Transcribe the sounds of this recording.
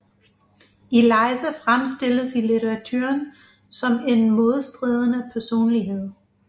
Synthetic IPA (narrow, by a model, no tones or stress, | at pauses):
e̝lɑ̈ɪsæfʁamsd̥e̝ləsilit͡sʰeʁɑ̈t͡sʰø̰ɐn | sɒ̽me̝nmoð̞̩ˠsd̥ʁɛːð̞ˠənəpʰæɐso̝̰ːnliɦe̝ð̞̰ˠ